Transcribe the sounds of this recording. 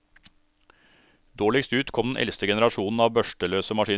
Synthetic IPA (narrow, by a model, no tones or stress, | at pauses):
d̪oːɭɪkst̪ʉːt̪kʰɔmd̪nʔɛ̰lst̪əɡɛnəɾɑʃuːnn̩ɑːʋbœʃʈəløːsəmɑʃiː